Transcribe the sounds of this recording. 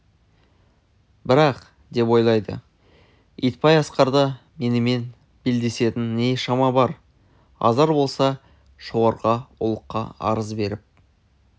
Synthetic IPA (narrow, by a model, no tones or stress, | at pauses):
bɪɾɑq | d̪e̞pwo̞jlˠɑjd̪ə̰ | ijt̪̚pɑjɑsqɑɾd̪əme̞nɪme̞n | b̥eld̪e̞se̞t̪ɪnːeʃɑmɑbɑɾ | ɑ̰zɑɾbo̞lˠsɑ | ʃo̞ʁɑɾʁɑʊ̰lˠəqːɑ̰ɑ̰ɾəzbe̞ɾɪp̚